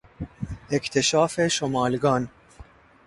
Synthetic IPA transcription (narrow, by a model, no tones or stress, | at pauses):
ɛkt̪ɛʃaːfɛʃɔmɐːlɡɐn